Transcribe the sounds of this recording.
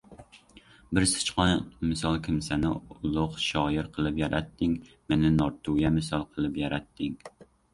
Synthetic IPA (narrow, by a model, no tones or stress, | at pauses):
bɪɾsɨ̥t͡ʃqɑnmɨsɑlˠkʲʰɪmsɛnɪʊlˠʊqʃɑːjɪɾqʰəlˠɨpjɛɾɛt̪ʰːɪŋ | mɪnɪnɑɾt̪ʰujɛmɪsɑlˠqʰəlˠɨpjɑɾɛt̪ʰːɪŋ